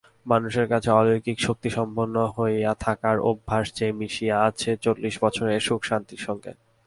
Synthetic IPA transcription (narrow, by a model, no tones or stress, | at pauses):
manuʃeɾkat͡ɕʰeɔlojkikʃok̚t̪iʃɔmbonːoɦoeat̪ʰakaɾo̰bʱːaʃd͡ʑemiʃiaat͡ɕʰet͡ɕolːiʃbɔt͡ɕʰoɾeʃukʃant̪iɾʃɔŋɡḛ